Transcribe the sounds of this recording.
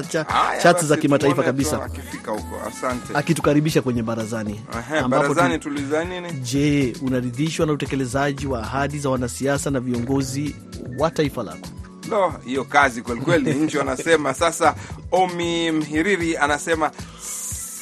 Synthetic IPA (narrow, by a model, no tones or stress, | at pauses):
t͡ʃaa̰t͡ʃasizakimataifakaɓisafikahukɔ̰a̰santɛakitu̥kaɾiɓiʃakwɛɲɛɓaɾazani | ɛɦambaɾpɔzanitulizaniniʄɛunaɾiðiʃwanautɛkɛlɛzaʄiwaːɦaɗizawanasiasanaviɔŋɡɔzi | wataifala̰kɔ̥ | lɔhijɔkazikwɛlikwɛliɲ̩t͡ʃianasɛmasasaɔmim̩ɦiɾiɾianasɛma